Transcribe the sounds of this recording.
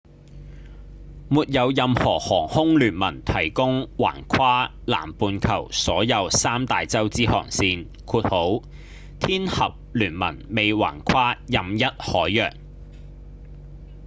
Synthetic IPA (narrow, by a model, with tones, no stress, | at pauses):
muː˨t̚jɐ˨˧wjɐ˨˧mhɔː˨˩hɔː˨˩ŋhʊ˥ŋlyː˨˩nmɐ˨˩nt̪ʰɐ˨˩jkʊ˥ŋwa̰ː˨˩nkʰwaː˥ | la̰ː˨˩mpuː˨˧nkʰɐ̰˨˩wsɔː˨˥jɐ˨˧wsaː˥mt̪aː˨jt͡sɐ˥wt͡siː˥hɔ̰ː˨˩ŋsiː˧n | kʰuː˧t̚ho˨˥w | t̪ʰiː˥nhɐ˨p̚lyː˨˩nmɐ̰˨˩nme˨˧jwa̰ː˨˩nkʰwaː˥jɐ˨mjɐ˥t̚hɔː˨˥jːœː˨˩ŋ